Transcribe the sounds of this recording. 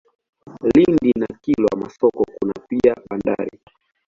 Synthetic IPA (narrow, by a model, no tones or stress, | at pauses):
lindinakilɔamasɔkɔkunapiaɓanda̰ɾi